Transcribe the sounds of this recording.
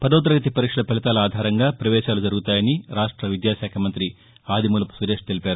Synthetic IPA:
pɐd̪ɐːt̪ɐɾɐɡɐt̪ipɐɾikʂɐlɐpɛlɐt̪aːlɐaːd̪ʱaːɾɐŋɡaːpɾɐʋɛːʃaːlud͡ʒɐɾuɡut̪aːjɐniɾaːʂʈɾɐʋid̪jaːʃaːkʰɐmɐnt̪ɾi | aːd̪imulɐpu̥sɐd̪eʂt̪e̞lipaːɾu

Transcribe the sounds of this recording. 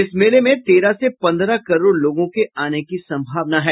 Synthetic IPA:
ɪsmeːlemẽt̪eːɾasepɐ̃nd̪ɾakɐɾoːɾloːɡõkeaːnekisɐ̃mbʱaːʋnaɦɛː

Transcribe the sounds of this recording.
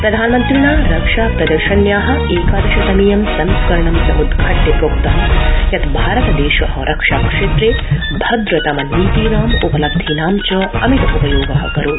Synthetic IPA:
pɾɐd̪ʱaːnmɐnt̪ɾiɳaːɾɐkʂaːpɾɐd̪ɐɾʃɐnjaːɦɐ̆eːkaːd̪ɐʃɐsɐniːjɐmsɐnskɐɾɐɳɐmsɐmud̪ʱkʰɐʈːepɾoːkt̪ɐmjɐt̪bʱaːɾɐt̪ɐd̪eːʃɐʔɔːɾʔɐkʂaːkʂeːt̪ɾeː | bʱɐd̪ɾɐt̪ɐmɐnːiːt̪iːɾaːmupɐlɐb̚d̪ʱinaːmt͡ʃɐɐmit̪upɐjoːɡɐɦɐ̰kɐɾuː

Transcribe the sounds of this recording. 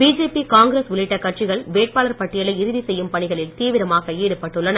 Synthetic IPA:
b̥iːd͡ʒeːpikaːŋɡɾeːsʊɭɪʈːɐkɐʈ̚t͡ʃɪɣɐɭʋeːʈ̚paːlɐɾpɐʈːɪjɐɭɐɪɪɾɯðisɛjːɯmpɐɳɪɣɐɭɪlt̪iːʋɪɾɐmaːɣɐeːɽɯpːɐʈːɯɭːɐnɐ

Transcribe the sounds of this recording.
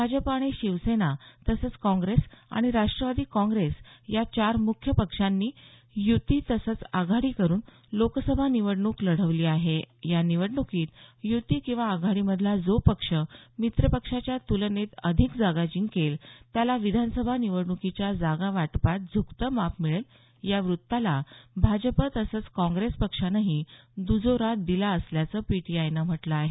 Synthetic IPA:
bʱad͡ʑəpaɽ̃eɕiʋsenat̪əsəːt͡skɔ̃ŋɡɾesa̰ɽ̃iɾaʂʈɾəʋad̪iːkɔ̃ŋɡɾesjat͡ɕaɾmukʰjəpəkʂanːiː | jut̪iːt̪əsət͡saɡʱaɽiːkəɾuːn | loksəbʱaniʋəɽɳuːkləɽ̤əʋliːaɦejaniʋəɽɳukiːt̪jut̪iːkĩw̃ʋaːɡʱaɽiːməd̪ʱlad͡zopəkʂəmit̪ɾəpəkʂat͡ɕjat̪ulnet̪əd̪ʱikd͡zaɡad͡ʑiŋkelt̪jalaʋid̪ʱanəsəbʱaniʋəɽɳukit͡ɕjad͡zaɡaʋaʈpat̪̚d͡zʱukt̪əmapmiɭəl | jaʋɾut̪ːalabʱad͡ʑəpət̪əsəːt͡skɔ̃ŋɡɾespəkʂanaɦid̪ud͡zoɾad̪ilaəsljat͡səːpiʈiajnam̤əʈləːɦe

